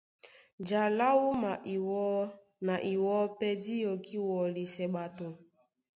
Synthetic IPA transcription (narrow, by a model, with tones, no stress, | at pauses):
d͡ʒa˨la˦wu˦ma˨˦ | na˨ʔi˨wɔ˦pe˦di˦jo˨ki˦wɔ˨li˨se˨ɡ͡ba˨tʊ˨